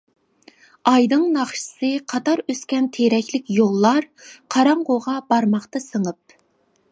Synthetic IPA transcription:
ɑjd̪ɨŋnɑχʃɨ̥sɨqʰɑt̪ɑɾøskʲɛnt̪ʰeɾɛkʲlɪkʲjolˠːɑɾ | qʰɑɾɑŋʁoʁɑbɑɾmɑχt̪ɑsəŋɨp̚

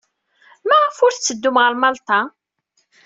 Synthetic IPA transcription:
mæʁəfʊɾθt͡sːəd̪ːumʁəɾmɑlt̪ˤɑ

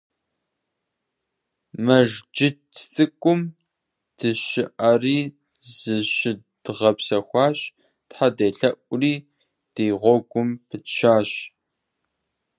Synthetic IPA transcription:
mɐʒd͡ʒɪ | t͡sʼɨkʷʼʊm | d̥ɨʃɪʔɐriː | zɨɕɪ | dʁɐpsɐxʷɑːɕ | tħadeːɬɐʔʷʼʊriː | d̥ejʁʷɔɡʷʊmpʰɨtʃaːɕ

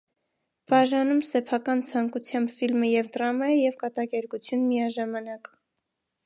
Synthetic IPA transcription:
b̥ɑʒɑnumsɛpʰɑkɑnt͡sʰɑŋkut͡sʰjɑmbfilməjɛvd̪ɾɑmɑjjɛvkɑt̪ɑkɛɾkut͡sʰjunmijɑʒɑmɑnɑk

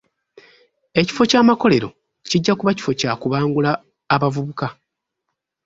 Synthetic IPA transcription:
e̞ci̥fo̞caːmako̞le̞ɾo̞̰ | ciɟːakuβaci̥fo̞caːkuβaːŋɡulaː | βavuβuka

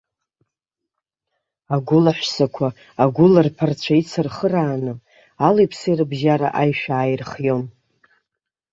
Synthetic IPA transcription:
aɡʷʊlaħʷsakʷʰaː | ɡʷʊlarpʰart͡ɕʷʰait͡sʰɨrχəraːnɨ | alejpʰsiɾɨbʒaɾa̰ʔajʃᶣaːjrχjon

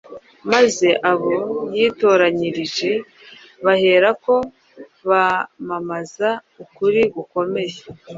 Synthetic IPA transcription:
maze̞ʔaβojiːto̞ːɾaɲiɾiʒe̞ | βahe̞ɾako̞ | βamamaza | ukuɾiɡuko̞me̞je

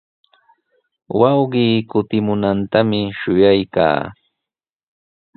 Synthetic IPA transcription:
wɑwɢiːkʊt̪ɪmʊnant̪amɪʃʊjajka̰ː

